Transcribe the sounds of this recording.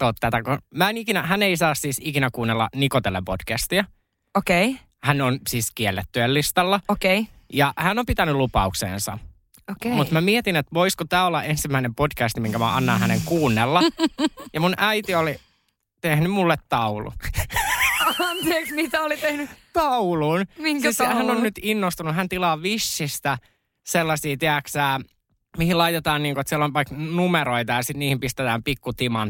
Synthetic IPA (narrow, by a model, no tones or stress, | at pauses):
t̪oːt̪t̪ːæt̪ækomæenikinæɦæneisɑːssiːsikinækuːnːelːɑ̰nikot̪elːḛmpod̥kæst̪iɑ | okei | hænonsiːskielːet̪ːyelːist̪ɑlːɑokeijɑhænːompit̪ænylupɑuksḛːnsɑ̰ | okemut̪mæmiet̪inet̪ʋoiskot̪æːolːɑʔensimːæinempodkæst̪imiŋkæmæɑnːɑːhæneŋkuːnːelːɑjɑmunʔæit̪ioli | t̪ehnymulːet̪t̪ɑulṵ | ɑnt̪ieksmit̪æolit̪ehnyt̪ɑuluːnmiŋishænːonnyt̪inːost̪unuɦænt̪ilɑːʋisːist̪æ | selːɑsiːt̪eæksæː | mihilɑit̪et̪ɑːnniːŋkoet̪sielːonʋɑiknumeɾoit̪ɑjɑsit̪niːhimpist̪et̪æːmpikːut̪imɑn